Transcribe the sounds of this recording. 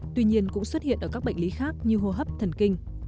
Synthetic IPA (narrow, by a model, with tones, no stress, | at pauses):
t̪wi˧ɲi˧ənkʊ̰˧˥ŋ͡mswə˦˥t̚hḭ˧˨ənʔəː˧˩ka˦˥k̚ɓa̰˧˨jŋli˨˦xaː˦˥k̚ɲɨ˧ɦo˧ɦə˦˥p̚t̪ʰə˨˩nkï˧ŋ̟